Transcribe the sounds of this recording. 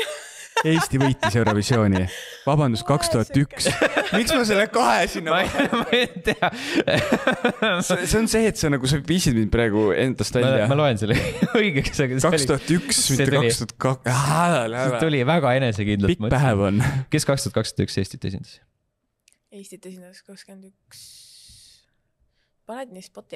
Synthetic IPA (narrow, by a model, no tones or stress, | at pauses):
e̞ːst̪ivɤjt̪ːˑisjewɾɑvisjo̞ːnʲivɑbɑnd̪̥uskɑkst̪uhɑt̪ːˑyksmiksmɑs̬elːekɑɦesinːɑmɑt̪eɑ | ese̞onse̞ːt̪senɑɡus̬eviːsid̪mind̪̚pɾɑeɡ̥ue̞̰nd̪ɑst̪væmɑɑmɑloenselːojɡ̥eksseɡɑkeosltiuhɑt̪ːyksmitseeukɑlist̪uɑt̪̚kɑhæælhsæet̪ulʲivæɡ̥ɑe̞nesekind̪lpimutːpːæɦevonke̞skɑkst̪uhɑt̪̚kɑkst̪u̥ɑd̪t̪y̰kse̞st̪it̪ːˑe̞s̬ʲḭnd̪̥ɑ̥s | eːst̪it̪ːesind̪̥ɑskɑkskend̪yks | pɑnet̪nispot̪ːˑi